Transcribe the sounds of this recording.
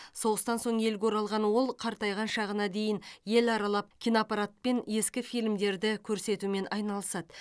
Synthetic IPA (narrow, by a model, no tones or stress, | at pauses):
so̞ʁəst̪ɑnso̞ɴe̞lɡʲoɾɑlˠʁɑnwo̞lˠqʰɑɾt̪ɑjʁɑnʃɑʁənɑd̪e̞jɪnje̞lɑɾɑlˠɑp̚kʲʰijnopɑɾat̪̚pe̞nje̞skʲɪfijlmd̪e̞ɾd̪ɪkʲʰɵɾse̞t̪ume̞nʔɑjnɑlˠəsɑd̪ə